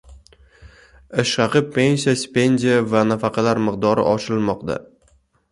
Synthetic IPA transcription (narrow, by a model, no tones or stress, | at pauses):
ɪʃɑqɨpʰːe̞nsijaspe̞nd̪ijavanafɑqʰɑlaɾmɨqd̪ɒɾɪ̰ʔɒt͡ʃɪlmɒqd̪a̰